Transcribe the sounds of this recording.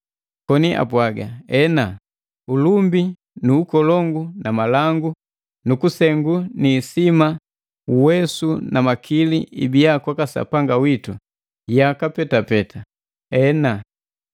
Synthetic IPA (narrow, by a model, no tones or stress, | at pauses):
kɔniʔa̰pwaɡaɛna | ulumbi | nuːkɔlɔŋɡunamalaŋɡu | nukusɛŋɡuniːsima | uwɛsunamakiliḭbiakwakasa̰paŋɡawitu | jakapɛtapɛta | ɛna